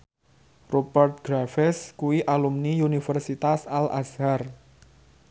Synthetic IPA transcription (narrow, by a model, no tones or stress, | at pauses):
robərt̪̚ɡ̥ɾafɛskuwiʔalumniunifɛrsit̪asala̰sar